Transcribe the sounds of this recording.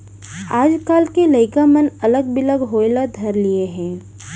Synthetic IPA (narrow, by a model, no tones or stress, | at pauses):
aːd͡ʒkaːlkelɐɪkamənɐləɡbɪləɡɦoːɪlad̪ʱɐɾlieɦɛ̃ː